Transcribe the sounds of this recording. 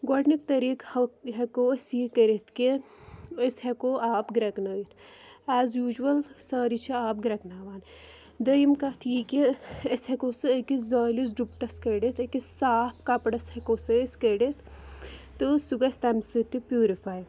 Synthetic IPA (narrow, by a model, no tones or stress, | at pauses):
ɡɔʈnik̚t̪ɐɾiːkɦɐkoɐsiːkɐɾet̪ʰki | ɐsɦekoʔaːpɡɾɐknɐɡit̪ʰæːzjuːd͡ʒʋɐlsaːɾit͡ʃʰiaːp̚ɡɾɐknaːʋaːn | d̪ɐjimkɐt̪ʰjiːkiɐshɐkoːsɨɐkizaːlis̬ɖup̚ʈɐskɐɖet̪ʰɐkisaːpʰkɐpɽɐshɐkoːsɨeskɐɖet̪ʰː | ɨsuɡɐst̪ɐmsɨʈ̪ipjuːɾifaːj